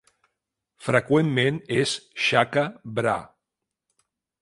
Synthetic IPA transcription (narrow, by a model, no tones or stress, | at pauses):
fɾəkwemːenesʃakabɾa̰